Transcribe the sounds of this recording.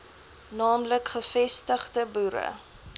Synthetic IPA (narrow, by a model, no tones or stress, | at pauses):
nɑːmləkχəfɛstəχdəbuɾə̰